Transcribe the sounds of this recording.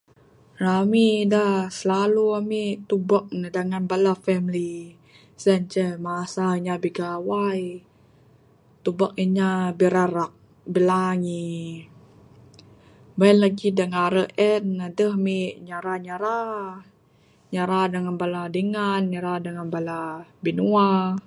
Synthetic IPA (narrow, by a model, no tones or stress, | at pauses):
ɾamidahsəlaluamit̪ubak̚ndəŋanbalafɛmli | sənt͡ʃəmasaiɲabiɡawaj | t̪ubak̚iɲabiɾaɾak̚ | bilaŋi | banlaɡidəŋaɾəʔɛnadəhmiʔɲaɾaɲaɾa | ɲaɾadaŋanbaladiŋanɲaɾadaŋanbalabinua